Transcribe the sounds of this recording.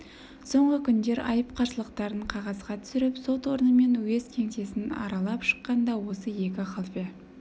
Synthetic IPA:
so̞ɴʁəkʲʰʏnd̪e̞ɾɑ̰jəpqʰɑɾsəlˠəqt̪ɑɾəɴqʰɑʁɑzʁɑt̪ʰʏ̥sɪɾɪpso̞t̪wo̞ɾənəme̞nwezkʲʰe̞ŋt̪e̞sɪnɑ̰ɾɑlˠɑpʃə̥qːɑnd̪ɑwo̞səje̞kʲɪχɑlˠpe

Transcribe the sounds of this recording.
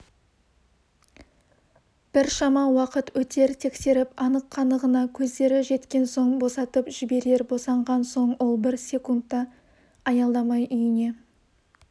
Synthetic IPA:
b̥ɪɾʃɑmɑwɑqət̪wɵt̪e̞ɾt̪ʰe̞kse̞ɾɪpɑnəqʰːɑnd̪əʁənɑkʲʰɵzd̪e̞ɾɪʒe̞t̪kʲe̞nso̞ɴbo̞sɑt̪əpʒ̥ɪbe̞ɾe̞ɾbo̞sɑɴʁɑnso̞ɴwʔo̞lˠbɪɾsʲe̞kunt̪ːɑː | jɑlˠd̪ɑmɑjʔʏjɪne̞

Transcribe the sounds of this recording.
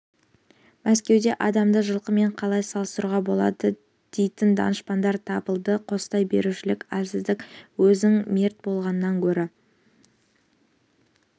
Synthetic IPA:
mæskʲe̞wd̪e̞ʔɑd̪ɑmd̪əʒəlˠqəme̞ɴqʰɑlˠɑjsɑlˠəsɾuʁɑbo̞lˠɑ̰d̪ə | d̪̥e̞jt̪ɪnd̪ɑ̰nəʃpɑnd̪ɑɾt̪ʰɑbəlˠd̪əqʰo̞sə̥t̪ɑjbe̞̰ɾuʃɪlɪkʲælsɪzd̪ɪkwɵzɪŋme̞ɾt̪̚bo̞lˠʁɑnənːɑŋkʲʰɵɾɪ

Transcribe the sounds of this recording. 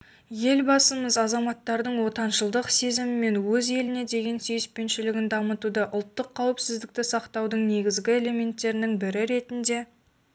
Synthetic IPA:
je̞lbɑsəməzɑzɑmɑt̪ːɑɾd̪əɴwo̞t̪ɑnʃəlˠd̪əqse̞zɪmɪme̞nwɵze̞lɪne̞d̪e̞ɡʲe̞nsejɪspe̞nʃɪlɪɡʲɪnd̪ɑmət̪ud̪əʔʊlˠt̪ːəqʰːɑwəpsɪzd̪ɪk̚t̪ɪsɑqt̪ɑwd̪əɴne̞ɡʲɪzɡʲɪe̞le̞me̞nt̪ːe̞ɾɪnɪŋbɪɾɪɾe̞t̪ɪnd̪e̞

